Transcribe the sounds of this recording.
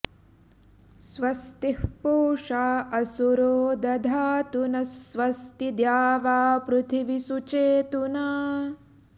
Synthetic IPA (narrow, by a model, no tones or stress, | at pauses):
sʋɐst̪ihpoːʂaːɐsuɾoːd̪ɐd̪ʱaːt̪unɐsʋɐst̪id̪jaːʋaːpɾut̪ʰiʋisut͡ʃeːt̪una